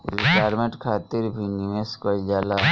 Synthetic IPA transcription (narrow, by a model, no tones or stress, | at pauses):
ɾɪʈaːjɾmẽɳʈkʰaːt̪ɪɾbʱinimẽskəld͡ʒaːla